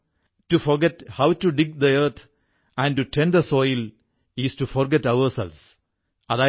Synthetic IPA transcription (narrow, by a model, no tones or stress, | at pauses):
ʈufɔɾɡɛʈhaʊʈuɖɪɡ̚d̪əəɾt̪ʰ | æ̃ɳɖʈuʈʰɛ̃nd̪əsɔɪl | isʈufɔɾɡɛʈʌʋəɾsɛ̰lʋs | ad̪a